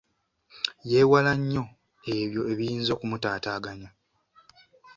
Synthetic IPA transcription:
je̞ːwalaɲːo̞ | e̞βjo̞e̞βijiːnzo̞ːkumutaːtaːɡaɲo

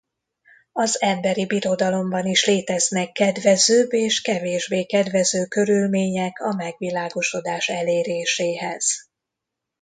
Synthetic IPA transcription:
ɒzɛmbɛɾibiɾo̞d̪ɒlo̞mbɒniʃleːt̪ɛznɛkːɛd̪vɛzøːbeːʃkɛveːʒbeːkɛd̪vɛzøːkø̞ɾylmeːɲɛkɒmɛɡʋilaːɡo̞ʃo̞d̪aːʃɛleːɾeːʃeːɦɛz̥

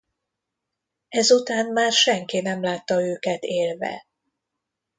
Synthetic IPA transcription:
ɛzut̪aːnmaːrʃɛŋkinɛmlaːt̪ːɒøːkɛt̪eːlvɛ̰

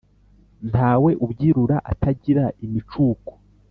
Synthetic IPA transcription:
n̥taːwe̞ʔubɟiːɾuɾaʔa̰tʰaɟiɾaimit͡ʃuːko̥

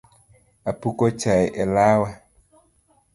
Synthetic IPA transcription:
apukot͡ʃajʔɛlaːwa

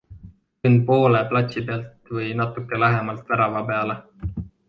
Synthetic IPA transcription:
yn̚po̞ːleplɑt̪sipeɑlt̪vɤjnɑt̪ːˑukːˑe̞læɦemɑlt̪væɾɑvɑpeɑle

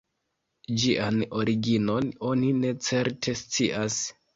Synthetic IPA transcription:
d͡ʒiʔano̞ɾiɡino̞no̞nine̞t͡se̞ɾtʰe̞st͡siʔas

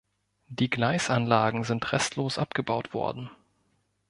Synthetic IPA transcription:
d̥iːɡlaɪsʔanlaːɡŋ̩zɪntʁɛ̰stʰloːsʔapɡ̥əbaʊtv̥ɔ̰ɐdn̩

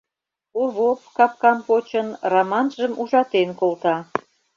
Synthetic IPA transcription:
oβopkɑp̚kɑmpot͡ɕənrɑmɑnʒəmuʒɑt̪enkolt̪ɑ

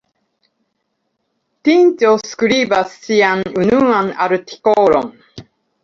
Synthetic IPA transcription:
t̪ĩnt͡ɕoːsɨ̥kɯ̟ɾiːbasɨ̥siãnɯnɯãnaɾɯ̟t̪i̥koːɾõŋ

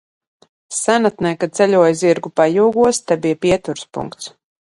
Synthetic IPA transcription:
sænat̪nɛjkat̪sɛlʲuɔjziɾɡupajuːɡuɔst̪ɛbijapiɛt̪uɾspṵŋkt̪s

